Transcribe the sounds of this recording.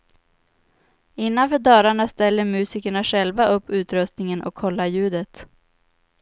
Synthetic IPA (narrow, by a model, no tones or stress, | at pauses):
ɪnːanfœːɖœːɾaɳast̪ɛlːəɾmʉ̟ːsiːkəɳaɧɛlvaʔɵpːʉ̟ːt̪ɾɵst̪nɪŋənʔɔ̰kʰːɔlːajʉ̟ːd̪ət̪